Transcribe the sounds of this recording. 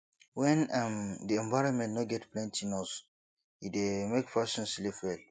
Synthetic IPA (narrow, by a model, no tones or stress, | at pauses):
wɛ̃namdiɛ̃ɱvaɹɔ̃nmɛ̃nnɔɡɛtplɛ̃ntinɔs | idemekfasɔ̃nslifɹɛl